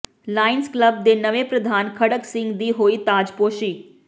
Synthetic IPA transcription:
laːɪnskləb̚d̪eːnəʋeːpɾəd̪ʱaːnkʰəɽəksɪ̃ŋɡd̪iːɦoːiːt̪aːd͡ʒpoːʃiː

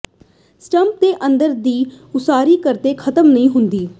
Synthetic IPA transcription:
sʈəmp̚d̪eːʔənd̪əɾd̪iː | ʊsaːɾiːkəɾt̪eːkʰət̪əmnəɦĩːɦʊnd̪iː

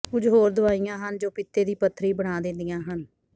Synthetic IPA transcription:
ʊd͡ʒɦoːɾd̪ʊaːijãːɦənd͡ʒoːpɪt̪ːeːd̪iːpət̪ʰːɾiːbəɽ̃aːd̪ẽnd̪ijãːɦən

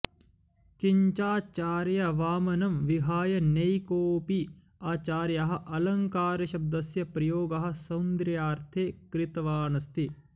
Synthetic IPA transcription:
kiɲt͡ʃaːt͡ʃaːɾjɐʋaːmɐnɐmʋiɦaːjɐnɐjkoːpi | aːt͡ʃaːɾjɐɦɐ̆ʔɐlɐŋkaːɾɐʃɐb̚d̪ɐsjɐpɾɐjoːɡɐɦɐ̆sɐwnd̪ɾjaːɾt̪ʰeːkɾɪt̪ɐʋaːnɐst̪i

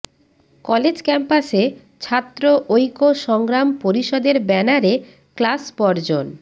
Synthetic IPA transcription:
kɔled͡ʑkɛmpase | t͡ɕʰat̪ːɾoʔojkoʃɔŋɡɾampoɾiʃɔd̪eɾbɛnaɾe | klaspɔɾd͡ʑon

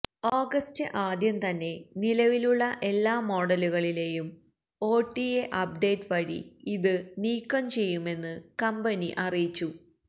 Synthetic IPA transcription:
oːɡɐstɨʔaːd̪jɐmt̪ɐnːe̞nilɐʋiluɭːɐʔe̞lːaːmo̞ːɽɐluɣɐɭile̞ːjum | o̞ːʈːieʔɐp̚ɖe̞ːʈɨpɐɽḭiðɨniːkːɐmt͡ɕe̞jːume̞nːɨkɐmbɐniʔɐrijit͡ɕːu

